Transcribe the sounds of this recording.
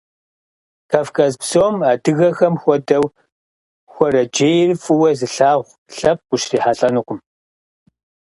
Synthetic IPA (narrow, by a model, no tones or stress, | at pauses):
kaːfkʰʼazpsoːmaːdɨɣɐxɐmxʷɔdɐw | xʷɔɾɐd͡ʒeːjrɨfɨwɐzɨɬaːʁʷ | ɬɐp̚qʷʊʃriːħaɬʼɐnɨqʷʊm